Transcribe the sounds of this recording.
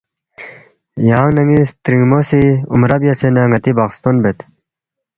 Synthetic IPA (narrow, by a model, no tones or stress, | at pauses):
jɑːŋnɐŋist̪ɾiŋmosiṵmɾɐbjɐsenɐŋɐt̪ibakst̪onbet̪